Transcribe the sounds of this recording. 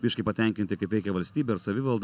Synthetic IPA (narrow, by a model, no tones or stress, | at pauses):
ʋʲɪʃʲkʲɐɪpɐt̪ʲɛˑŋʲkʲɪnʲt̪ʲɪkɐɪpʋʲɛɪkʲɛʋɐlʲsʲt̪ʲiːbʲeɪɾsɐʋʲɪʋɐlˠd̪